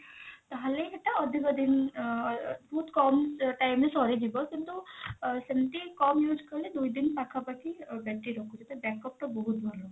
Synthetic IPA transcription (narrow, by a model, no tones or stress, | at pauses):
t̪ɐɦɐleɦeʈaəd̪ʱikəd̪in | bɔɦut̪kɔmʈajmesɔːɾid͡ʒibɔkint̪usemt̪ikɔmjuːd͡ʒkəɾled̪uid̪inpakʰabakibɛʈːiɾɔkʰut͡ʃet̪ɐbɛkɔp̚ʈ̪ɔbɔɦut̪bʱɐlo